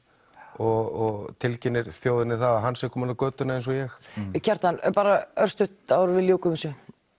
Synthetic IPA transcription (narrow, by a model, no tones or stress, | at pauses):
ɔɣɔɣt̪ʰɪlcɪnːɪɾ̥θjoːwðɪnːɪθaðaɦanːsɛkʰɔːmanakœːt̪ʏnaejns̬ɔjɛxcʰɛɾ̥t̪anpaːɾaœr̥st̪ʏht̪aɾvɪljoːwkʏmɪsʏ